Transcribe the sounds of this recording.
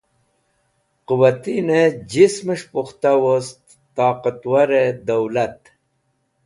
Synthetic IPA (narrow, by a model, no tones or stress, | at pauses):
quwat̪ined͡ʑisməʂpuxt̪awost̪ːɑːqat̪waɾed̪ɐwlat̪